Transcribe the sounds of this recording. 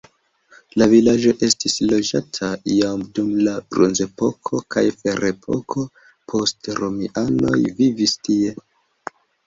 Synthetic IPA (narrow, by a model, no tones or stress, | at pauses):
lavilad͡ʒo̞ʔe̞stislo̞d͡ʒatʰajamdumlab̥ɾo̰nze̞po̞kʰo̞kʰajfe̞ɾe̞pʰo̞̰kʰo̞ | pʰo̞stɾomiʔano̞jvivistie̞